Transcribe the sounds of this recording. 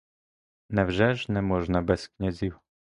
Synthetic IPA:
navʐɛʐnɛmɔʐnabɛskɲɛzʲiw

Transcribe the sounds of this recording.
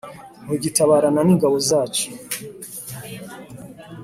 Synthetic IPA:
oɟitaβaːɾananiːŋɡaβozaːt͡ʃe̥

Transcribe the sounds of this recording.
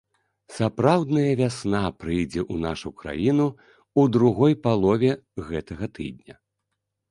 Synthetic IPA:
sapɾawd̪nɐjɐvʲasnapɾɨjd͡zʲɛʔunaʂukɾa̰jinu | ud̪ɾuɣɔjpalˠɔvʲɛɣɛt̪ɐɣɐt̪ɨ̰d̪̚ʲnʲɐ

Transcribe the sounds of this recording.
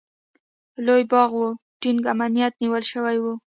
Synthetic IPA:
lojbɑɣwu | ʈinɡamanijat̪niwəlʃəwajwu

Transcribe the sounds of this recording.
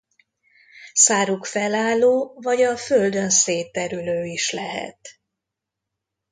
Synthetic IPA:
saːɾukfɛlaːlːoːvɒɟɒføld̪ø̞nseːt̪ɛɾyløːiʃlɛɦɛ̰t̪

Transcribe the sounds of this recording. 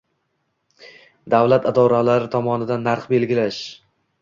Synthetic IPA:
d̪avlat̪ʰɪd̪ɒɾalaɾɪt̪ʰɒmɒnɪd̪anːaɾχbe̞lɡʲɪlaʃ

